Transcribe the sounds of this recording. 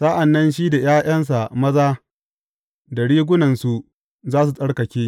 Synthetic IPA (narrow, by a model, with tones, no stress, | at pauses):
saː˦ʔa˨nːɐ˦nʃiː˦da˨j̰aː˦j̰ɐ˦ns̬a˨mɐ˦zaː˦ | da˨ɽiː˦ɡʷʊ˦nɐ˨nsu˨ | zaː˦s̬u˨sʼɐ˦ɽkɐ˨kʲeː˦